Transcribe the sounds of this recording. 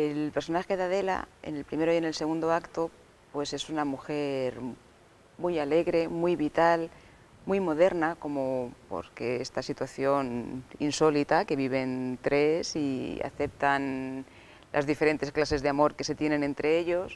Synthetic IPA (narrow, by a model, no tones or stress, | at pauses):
e̞lpe̞ɾso̞naxe̞ðað̞e̞la̰ḛne̞lpɾime̞ɾoje̞ne̞lse̞ɣund̪oakt̪o | pwe̞se̞sunamuxe̞ɾ | mujale̞ɣɾe̞mujβit̪al | mujmo̞ð̞e̞ɾnako̞mopo̞̰ɾke̞est̪asit̪waθjo̞nḭnso̞lit̪ake̞βiβ̞e̞nt̪ɾe̞sia̰θe̞p̚t̪an | lʔa̰zðife̞ɾe̞nt̪e̞sklase̞zðeamo̞ɾke̞se̞t̪je̞nẽ̞nẽ̞nt̪ɾe̞e̞ʎo̞s